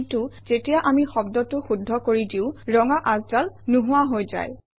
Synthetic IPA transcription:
tʊz̥etijaʔamixɔbdɔtʊxudʱːɔkoɹidiʊɹɔŋaʔazzalnuɦʊwaɦojza̰j

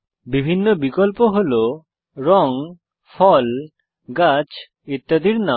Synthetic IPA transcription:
bibʱinːobikɔlpoɦolo | ɾɔŋ | pʰɔl | ɡat͡ɕ | it̪ːad̪iɾna

